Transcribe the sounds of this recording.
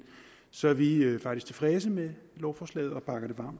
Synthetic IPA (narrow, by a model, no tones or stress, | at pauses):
sɒ̽ʋiøfɑ̈ɡ̥d̥isɡ̥t͡sʰe̝̥fʁɛːs̬əmelɒʊfɒːslɛ̰ːð̩ˠɒ̽b̥ɑ̈ɡ̥ɐɾ̥e̝ʋɑ̰̈ːmd̥